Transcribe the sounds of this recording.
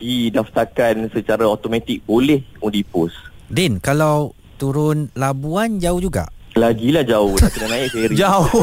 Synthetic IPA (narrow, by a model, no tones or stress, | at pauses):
didaft̪arkansət͡ʃaɾaot̪omãt̪ik̚bolɛhudipʊs | dɛnkalaw | t̪uɾʊnlabuand͡ʒauhd͡ʒuɡa̰ʔlaɡilahd͡ʒaʊhlahkənanãɪkkaiɾid͡ʒaʊ